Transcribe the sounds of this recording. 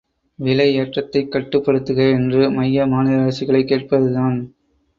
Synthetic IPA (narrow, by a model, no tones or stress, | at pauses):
ʋɪlɐɪeːʈrɐt̪ːɐɪkːɐʈːɯpːɐɽɯt̪ːɯɣɐɛndrɯmɐjːɐmaːnɪðɐɐɾɐsɪɣɐɭɐɪkːeːʈ̚pɐðɯðaːn